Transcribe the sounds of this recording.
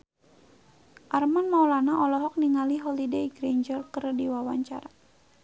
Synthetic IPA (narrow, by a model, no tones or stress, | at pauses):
ʔarmanmawlanaʔɔlɔɦɔk̚niŋaliɦɔlideiɡɾeɲd͡ʒərkərdiwawaɲt͡ʃaɾa